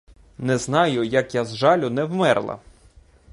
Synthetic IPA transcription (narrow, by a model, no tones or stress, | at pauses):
nɛznɑjʊjɐkjazʒɑlʲʊnɛwmɛrlˠɐ̰